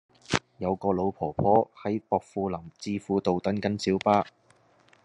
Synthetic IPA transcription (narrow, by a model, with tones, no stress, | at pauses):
jɐ˨˧wkɔː˧lo˨˧wpʰɔː˨˩pʰɔː˥hɐ˨˥jpɔː˧k̚fuː˧lɐ˨˩mt͡siː˧fuː˧t̪o˨wt̪ɐ˨˥nkɐ˨˥nsiː˨˥wpaː˥